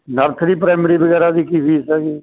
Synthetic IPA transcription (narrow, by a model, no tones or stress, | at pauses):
nəɾt̪ʰɾiːpɾaːmɾiːbəɡɛːɾaːd̪iːkipiːsɛːɡiː